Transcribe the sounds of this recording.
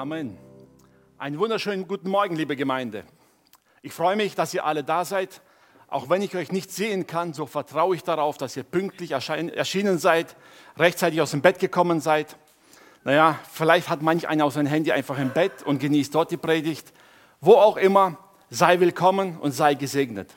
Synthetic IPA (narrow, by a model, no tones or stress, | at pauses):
amɛn | ʔa̰ɪnənvʊndɐʃøːnənɡuːtn̩mɔɐɡŋ̩liːbəɡəmaɪndə̰ | ʔɪçfʁ̥ɔʏəmɪçd̥asiːɐʔalədaːzaɪt | ʔa̰ʊxv̥ɛnɪçɔʏçnɪçtz̥eːənkʰanzoːfɛɐtʁ̥aʊəɪçd̥aʁaʊfd̥asiːɐpʏŋk̚tlɪçɛɐʃɛ̰ɐʃiːnənzaɪt | ʁɛçtt͡saɪtɪçaʊsd̥eːmbɛt̚ɡ̥əkʰɔmənzaɪt | najafɪlaɪçthatmançʔa̰ɪnɐaʊxszaɪnəmɦɛndiʔã̰ɪnfaχɪmbɛtʊnt̚ɡ̥əniːstd̥ɔɐt̚d̥iːpʁ̥eːdɪçt | voːaʊxʔɪmɐ | zaɪvɪlkʰɔmənʊ̰ntz̥aɪɡəzeːɡnə̰t